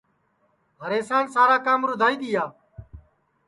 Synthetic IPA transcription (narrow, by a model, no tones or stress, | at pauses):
ɦəɾeːsãːnsaːɾaːkaːmɾʊd̪ʱaːiːd̪iːjaː